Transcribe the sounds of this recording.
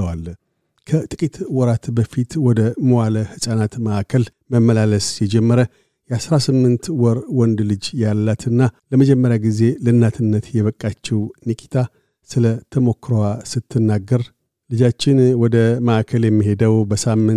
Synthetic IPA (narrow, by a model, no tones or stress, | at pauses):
əwal | kʰət̪ʼɨkʼit̪wɔɾat̪bəfit̪wɔd̪əməwaləhɨsʼanat̪məʔakʰəl | məmːəlaləsjɛd͡ʒɛmːəɾə | jɛasɾasɨmːɨnt̪wɔɾwɔnd̪lɨd͡ʒjalːat̪ʰɨnːaləməd͡ʒɛmːəɾjaɡize̞lɨnːat̪ʰɨnːət̪jɛβəkʼːat͡ʃːɛwnikʼi̥t̪ʰa | sɨlət̪ʰəmo̞kːɾowasɨt̪ʰːɨnːaɡːəɾ | lɨd͡ʒat͡ʃːɪnwɔd̪əməʔakʰəljɛmːiɦe̞d̪əwbəsamːɨn